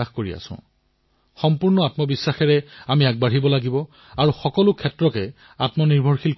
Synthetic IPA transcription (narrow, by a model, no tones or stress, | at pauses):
axkoɹia̰sʊ̰̃ʊ̃ | xɔmpuɹnɔatmɔbisːaxɛɹɛamiaɡ̚baɹibɔlaɡibɔ | aɹuxɔkɔlʊkʰɛtɹɔkɛ | atmɔniɹbʱɔɹxilk